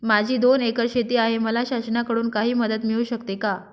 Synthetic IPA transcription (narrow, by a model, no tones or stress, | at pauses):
mad͡ʑʱiːd̪onekəɾɕet̪iːaɦeməlaɕasnakəɽuːnkaɦiːməd̪ət̪miɭuːɕəkt̪eka